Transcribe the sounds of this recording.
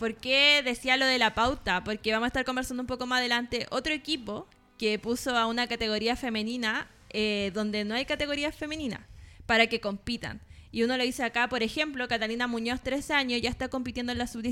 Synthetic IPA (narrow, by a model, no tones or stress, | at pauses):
poɾkeðe̞sialo̞ðe̞lapawt̪apo̞ɾkeβamoaest̪aɾko̞mbeɾsand̪umpo̞komasaðe̞lant̪e̞ʔo̞t̪ɾoe̞kipo | kepuso̞aunakat̪e̞ɣo̞ɾiafe̞me̞nina | eðo̞nd̪e̞noajkat̪e̞ɣo̞ɾiafe̞menina̰paɾake̞ko̞mpit̪a̰niuno̞loðiseakapo̞ɾe̞xe̞mplo̞kat̪alinamuɲo̞st̪ɾe̞saɲosʝaest̪ako̞mp̬it̪jend̪onlasuβd̪i